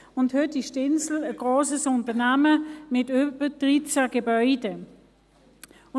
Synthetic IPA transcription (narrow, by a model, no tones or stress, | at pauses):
ʊnthøtiʃtɪnsl̩əɡ̥ʁoːsəsʊntənaməmɪtøpəd̥ʁit͡saɡ̥ebœʏdə